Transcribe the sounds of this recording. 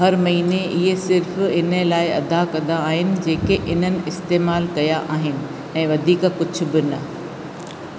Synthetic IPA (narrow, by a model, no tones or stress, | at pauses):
ɦɐɾmɐɦiːneʔɪɦesɪɾfɪn̤əlaːɪɐ̰d̪akɐnd̪aːɦɪnɪ̆d͡ʑeːkeʔɪn̤ənɪ̆ɪst̪eːmaːlkɐjaʔaːɦɪnɪ̆ | ɛ̃ːʋɐd̪ʱiːkkʊd͡ʑʱʊ̆bɪnɐ